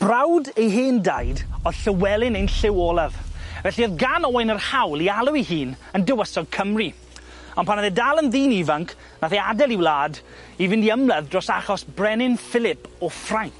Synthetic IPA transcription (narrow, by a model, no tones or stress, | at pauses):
b̥rawdejɦɪːndajdɔð̥ɬəwɛlˠɪnejnɬɪwɔlˠaðvɛɬiɔðɡanɔwajnərhawlˠialˠʊihiːn | əndəwəsɔɡ̚kʰəmri | ɔnpʰanaðɛdalˠənðiːnivaŋkʰ | naθeadɛlˠiwlˠaːd | ivɪndiəmlˠaðdrɔsaχɔsbrɛnɪnfɪlˠɪpʰɔfrajŋk